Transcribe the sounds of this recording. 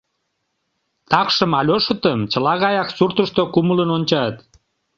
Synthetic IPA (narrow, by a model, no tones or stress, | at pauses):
t̪ɑkʃəmɑlʲoʃə̆t̪əmt͡ɕəlɑɣɑjɑksurt̪əʃt̪okumələnonʲt͡ɕɑt̪